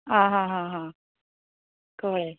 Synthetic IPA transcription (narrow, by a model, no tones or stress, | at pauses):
ɦãɦãɦãɦã | koɭe